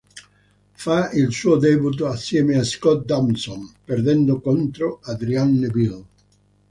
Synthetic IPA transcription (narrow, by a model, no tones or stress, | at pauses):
failsuːod̪ɛbut̪̬oasjɛːmeaskɔt̪̚d̪amsɔnperd̪ɛnd̪okɔnt̪ɾoad̪ɾianːebil